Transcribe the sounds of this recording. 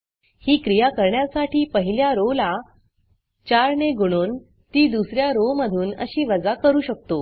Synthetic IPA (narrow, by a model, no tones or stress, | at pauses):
hiːkɾijakəɾɳjasaʈʰiːpəɦiljaɾola | t͡ɕaɾɳeɡoɽ̃uːn | t̪iːd̪usɾjaɾoməd̪ʱuːnə̰ɕiːʋəd͡zakəɾuːɕək̚t̪o